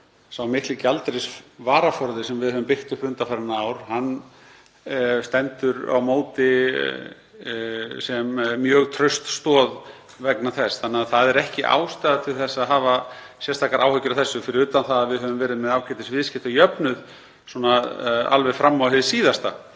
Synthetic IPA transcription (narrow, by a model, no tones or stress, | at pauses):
sawmɪhk̪licɪalt̪ɾɪsvaːɾafɔɾðɪsɛmvɪðhœvʏmpɪht̪ʏpɾʏnt̪afaɾɪnːaaːwɾ̥hanː | st̪ɛnt̪ʏɾa̰wmoːwt̪ɪ | sɛmːjœːɣt̪ʰɾœɥst̪st̪ɔːð | vɛknaθɛsθanːɪaðθaðɛɾɛhcɪʔa̰ːwst̪aːjðat̪ʰɪlθɛsːaðɦaːva | sjɛst̪ʰaːkaɾʔa̰ːwhœcʏɾawθɛsːʏfɪɾɪɾʏːt̪anθaðaðvɪðhɦœvʏmvɛːɾɪðmɛðaːwkʰɛt̪ɪsvɪðscɪht̪ajœpnʏð | sɔnaa̰lvɛ̥fɾamːawhɪðsiːðast̪a